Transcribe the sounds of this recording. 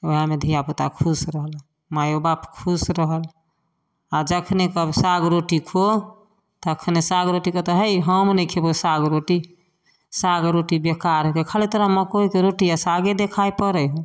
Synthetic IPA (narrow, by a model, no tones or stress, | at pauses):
oɦamed̪ʱijaput̪akʰusɾəɦəl | majobapkʰusɾəɦəl | ad͡ʒəkʰnekəbsaɡɾoʈikʰo | t̪ɔəkʰnesaɡɾoʈikot̪əɦəjɦəmnɛkʰebosaɡɾoʈi | saɡɾoʈibjekaɾkekʰalet̪əɾaməkoikeɾoʈijasaɡed̪ekʰajpəɾəjɦũ